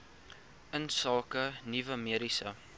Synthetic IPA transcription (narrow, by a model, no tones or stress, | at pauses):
ənsɑːkənivəmiəɾisə